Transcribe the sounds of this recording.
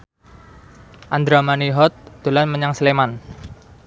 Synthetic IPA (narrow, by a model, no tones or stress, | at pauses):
ʔand̪ɾamaniɦɔt̪̚d̪̥o̤lanməɲaŋsəleman